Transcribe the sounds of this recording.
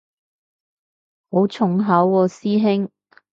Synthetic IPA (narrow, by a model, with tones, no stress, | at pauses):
ho˨˥wt͡ʃʰʊ˨ŋɦɐ˨˥wːɔː˨˧siː˥ɦɪ˥ŋ